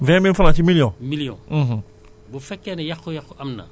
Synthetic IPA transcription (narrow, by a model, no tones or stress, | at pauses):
vɛ̃milfalãtimiljɔ̃milijɔ̰̃ɦ̩ | bofɛkɛnɛjakojakoamna̰